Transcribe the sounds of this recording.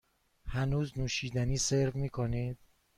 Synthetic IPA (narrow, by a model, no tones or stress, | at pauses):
hænuːznuːʃiːd̪æniːseɾvmiːkʰoniːd̪̥̚